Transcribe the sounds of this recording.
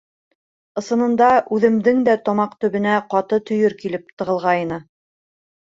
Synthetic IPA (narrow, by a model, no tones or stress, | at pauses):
ɤ̆sɤ̆nɤ̆nd̪ɑʔʉðɘ̆md̪ɘŋd̪æt̪ɒmɑqt̪ɵ̆βɘ̆næqɑt̪ɤt̪ɵ̆jɵɾkilɘp̚t̪ɤ̆ʁɤ̆lˠʁɑjnɤ